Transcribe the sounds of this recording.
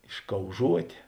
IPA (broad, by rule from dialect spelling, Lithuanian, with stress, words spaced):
ɪʃkɐʊˈʒuɔtʲeː